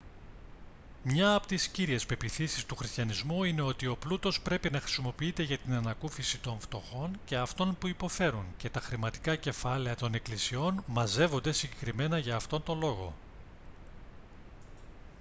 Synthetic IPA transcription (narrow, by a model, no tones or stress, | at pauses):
mɲɐːpot̪isciɾie̞spe̞piθisist̪uxɾist̪çɐnizmuine̞o̞t̪io̞plut̪o̞spɾe̞pinɐxɾi̥simo̞piit̪e̞ʝɐt̪inɐnɐkufisit̪o̞ɱft̪o̞xo̞nce̞ɐft̪o̞npuipo̞fe̞ɾunce̞t̪ɐxɾimɐt̪i̥kɐce̞fɐle̞ɐt̪o̞ne̞klisio̞nmɐze̞vo̞nd̪e̞siɲɟe̞kɾime̞nɐʝɐːft̪o̞nt̪o̞nlo̞ɣo̞̰